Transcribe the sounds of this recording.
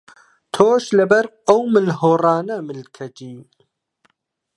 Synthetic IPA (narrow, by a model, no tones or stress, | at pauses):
t̪ʰoːʃlɨbɐɾ | ɐwmɨlɦoːrɑːnɐmɨlkʰɐd͡ʒiː